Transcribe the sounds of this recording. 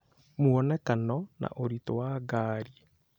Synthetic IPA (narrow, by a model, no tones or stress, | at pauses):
muɔnɛkanɔna̰ʔoɾitowaːɡaːɾiɛ